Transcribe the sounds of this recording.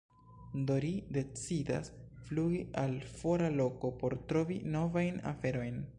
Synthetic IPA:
do̞ɾide̞t͡sida̰sfluɡiʔalfo̞ɾalo̞ko̞po̞ɾtɾo̞vino̞vajna̰fe̞ɾo̞jn

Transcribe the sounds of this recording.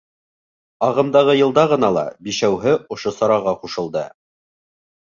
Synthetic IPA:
ɑʁɤ̆md̪ɑʁɤjɤ̆lˠd̪ɑʁɤ̆nɑlˠɑ̰biʃæwɦɘʔŏʃosɑɾɑʁɑquʃɤ̆lˠd̪ɤ

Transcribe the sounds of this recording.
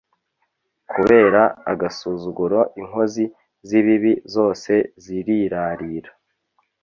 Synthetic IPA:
kʰuβe̞ːɾaa̰ɡasuːzuɡuɾo̞ʔiŋho̞zi | ziβiβizo̞ːse̞ziɾiɾaɾiːɾa

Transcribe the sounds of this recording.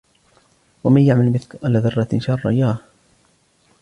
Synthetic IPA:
wamanjaʕmalmɪθkʔalaːðɑrˤːɑt̪ʃɑrˤːɑ̰jaːh

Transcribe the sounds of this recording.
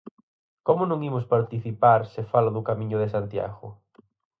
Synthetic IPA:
komʊnõŋimʊspaɾt̪iθipaɾsefalʊðʊkamĩɲʊðesant̪ja̰ɣʊ

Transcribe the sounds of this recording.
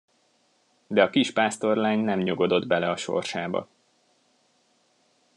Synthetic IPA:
d̪ɛɒkiʃpaːst̪o̞rlaːɲnɛmɲoɡo̞d̪o̞d̪bɛlɛɒʃo̞̰rʃaːbɒ̰

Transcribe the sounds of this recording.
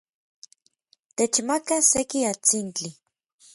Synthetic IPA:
t̪et͡ʃmakasekiat͡sint͡ɬi

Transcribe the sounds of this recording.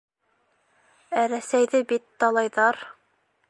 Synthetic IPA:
æɾæsæjðɘbit̪ːɑlˠɑjðɑɾ

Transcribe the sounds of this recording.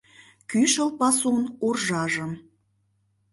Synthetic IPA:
kyʃəlpɑsonorʒɑʒə̆m

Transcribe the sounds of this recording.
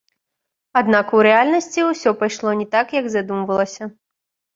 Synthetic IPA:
ad̪nakuɾɛalʲnɐsʲt͡sʲiusʲɔpajʂlˠɔnʲɛt̪akjɐɡzad̪umvɐlˠɐsʲɐ

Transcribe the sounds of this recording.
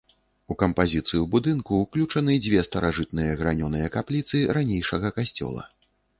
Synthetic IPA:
ukɐmpazʲit̪sɨjubud̪ɨnkuːklʲut͡ʂɐnɨd͡zʲvʲɛst̪ɐɾʔaʐɨt̪̚nɨjɐɣɾanʲɔnɨjɐkaplʲit̪sɨɾanʲejʂɐɣɐkasʲt͡sʲɔ̰lˠɐ̰

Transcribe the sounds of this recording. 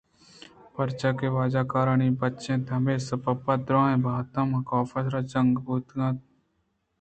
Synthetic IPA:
pɐɾt͡ʃakeʋaːd͡ʒaːkaːɾəɳibɐtːʃẽt̪ʰɐmesɐpɐpːɐd̪ɾãːẽbʱaːt̪ɐ̃mɐkɔːfɐsɾat͡ʃɐŋɡbuːt̪ɡãt̪

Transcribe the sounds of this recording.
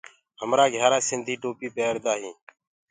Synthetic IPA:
həmɾaːɡʱjaːɾaːsɪnd̪ʱiːʈoːpiːpeːɾd̪aːɦĩː

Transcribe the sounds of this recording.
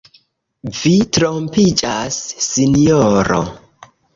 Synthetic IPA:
vitɾompid͡ʒasːinjoɾo̰

